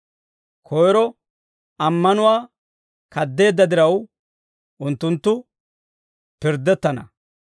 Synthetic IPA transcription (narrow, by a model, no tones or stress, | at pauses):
kʰɔjɾɔ | ɐmːɐnʊwaː | kɐd̪ːe̞ːd̪ːɐd̪ɪɾɐw | ʔʊnt̪ːʊnt̪ːʊ | pɪɾd̪ːɛt̪ːɐnɐ̰